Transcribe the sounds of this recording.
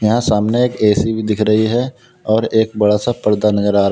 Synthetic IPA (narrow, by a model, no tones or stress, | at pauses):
jɐɦãsaːmneeːkeːsibid̪ɪkʰɾɐɦiɦɛ | ɔːɾeːk̚bɐɽasapəɾd̪anəɡəɾaːɾ